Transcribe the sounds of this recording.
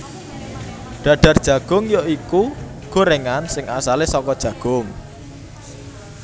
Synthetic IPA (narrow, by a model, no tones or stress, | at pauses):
ɖ̥ä̤ɖ̥ärd̥ʒ̥a̤ɡ̥ʊ̤ŋjoiku | ɡ̥o̤ɾeŋansɪŋasalesɔkɔd̥ʒ̥ä̤ɡ̥ʊŋ